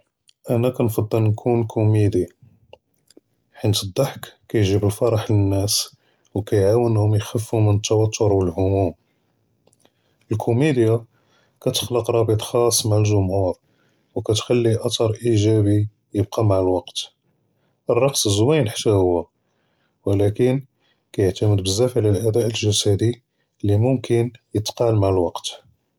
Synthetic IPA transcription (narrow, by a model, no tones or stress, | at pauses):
ʔænækænfɑd̪ˤːəlnkʰunkʰumid̪i | ħint̪əd̪ˤːɑħkkæjʒibəlfɑɾˤɑħlənːæs | wkæjʕawənhʊmjxəfːumənət̪ːæwɑt̪ʰːʊɾwəlhʊmum | ʔəlkʰumid̪ja | kæt̪ə̥xləqɾˤɑbət̪ˤxɑsˤːmaʕəlʒʊmhuɾ | wkæt̪xælːiʔɑt̪ɑɾˤʔiʒæbi | jəb̚qɑmaʕəlwɑqt̪ | ʔərˤːɑqsəzwijnħḁt̪ːæhʊwːæ | wəlækən | kæjəʕt̪æməd̪bəzːæfʕlælʔæd̪æʔəlʒæsæd̪i | lːimʊmkənjət̪qɑlmaʕəlwɑqt̪